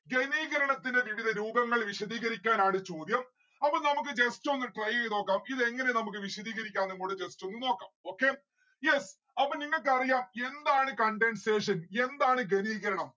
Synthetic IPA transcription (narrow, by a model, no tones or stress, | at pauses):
ɡe̞niːɣɐɾɐɳɐt̪ːinde̞ʋiʋiðɐɾuːbɐŋːɐɭʋiɕɐðiːɣɐɾikʲːaːnaːɳɨt͡ɕo̞ːd̪jɐm | ɐpːɐɭnɐmuk̬ːɨd͡ʑe̞sto̞nːɨʈrɐjejno̞ːkːaːmiðɨe̞ŋːɐnenɐmuk̬ːɨʋiɕɐðiːɣɐɾikʲːaːnːeŋːoːɽɨd͡ʑe̞sto̞nːɨno̞ːkːa̰ːmo̞ːkːe̞ː | jes | ɐpːɐniŋːɐɭk̬ɨɐrijaːme̞nd̪aːɳɨkɐɳɖenɖseːʂɐne̞nd̪aːɳɨɡeniːɣɐɾɐɳɐm